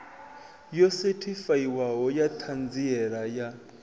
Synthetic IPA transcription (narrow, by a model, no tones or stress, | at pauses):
jɔsɛtʰifaiwaɦɔjat̪ʰand͡ziɛɺaja